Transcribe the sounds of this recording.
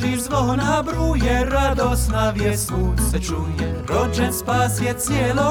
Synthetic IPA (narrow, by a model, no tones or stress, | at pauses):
ʒiʒzʋlɔɦɔnabɾujɛɾad̪ɔsnaʋjɛskusɛt͡ʃujɛɾɔt͡ʃɛnspaːsjɛt͡sɪɛlɔ